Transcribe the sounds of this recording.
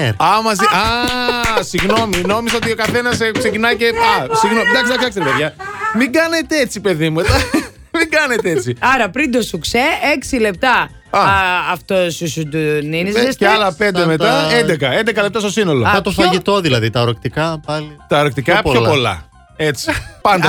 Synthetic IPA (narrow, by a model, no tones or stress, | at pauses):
ɾɐmɐziʔɐ | siɣno̞mino̞misɐot̪io̞kɐθe̞nɐskse̞cinɐjceɐsiɣnomnd̪ɐksid̪ɐksiɐkseɾpeðʝɐmiɡɐne̞t̪eet͡sipe̞ðimued̪ɐ | miɡɐnet̪eet͡siɐɾɐpɾind̪osukseeksile̞p̚t̪ɐ | ɐːft̪osusud̪uninzesɐlɐpe̞neme̞t̪ɐend̪ekɐend̪e̞kɐlept̪ɐstosino̞loɐt̪ofɐʝit̪o̞ðilɐðit̪ɐoɾokt̪ikɐpɐlit̪ɐoɾokt̪ikɐpopo̞lɐ̰ | et͡si̥pɐnd̪ɐ